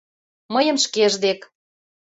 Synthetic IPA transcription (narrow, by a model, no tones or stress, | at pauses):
məjəmʃkeʒd̪ek